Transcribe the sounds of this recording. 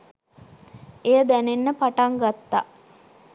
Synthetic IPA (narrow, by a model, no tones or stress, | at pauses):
ejəd̪ænenːəpaʈaŋɡat̪ːa̰